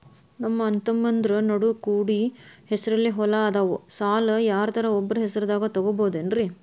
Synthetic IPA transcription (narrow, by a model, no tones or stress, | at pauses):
nɐmːɐːnt̪ɐmːɐnd̪ɾɐnɐɽukuːɽihesɐɾɐlːiɦɔlɐaːd̪aːʋusaːlɐjaːɾɐt̪ʰɐɾɐɔbːɐɾɐɦɛsɐɾɐd̪aːɡɐt̪ɐɡoboːd̪enɾi